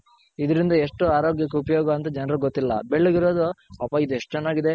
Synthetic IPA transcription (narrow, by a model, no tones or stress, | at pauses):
id̪ɐɾind̪ɐeʂʈuaːɾoːɡjɐkːeupɐjoːɡɐɐnt̪ɐd͡ʒɐnɐɾɐɡot̪ːilːɐ̰beɭːuɡiɾoːd̪uɐpɐid̪ueʂʈɐt͡ʃɛnːaːɡid̪e